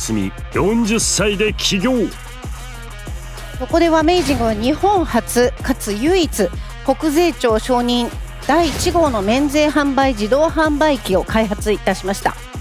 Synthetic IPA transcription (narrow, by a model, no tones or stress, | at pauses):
sɨmʲḭjõ̞ɲd͡ʑɨsːaid̪e̞kʲʰiɡʲoː | ko̞ko̞d̪e̞βame̞ːʑĩŋɡɯ̟βaɲ̟ihõ̞ɰhat͡sɨkat͡sɨjɯ̟ːit͡sɨ | ko̞kɯ̟ze̞ːt͡ɕo̞ːɕo̞ːɲ̟ĩn | d̪̥aiːt͡ɕiɡo̞ːno̞mẽ̞nd͡ze̞ːɦãmbaid͡ʑid̪o̞ːhãmbaikʲio̞kaiɦat͡sɨit̪aɕimaɕi̥t̪a̰